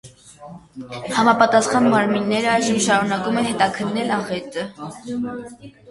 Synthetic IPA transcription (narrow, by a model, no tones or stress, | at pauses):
hɑmɑpɑt̪ɑsχɑnmɑɾminːɛɾəɑjʒəmʃɑɾunɑkumɛnhɛt̪ɑkʰənːɛlɑʁɛt̪ə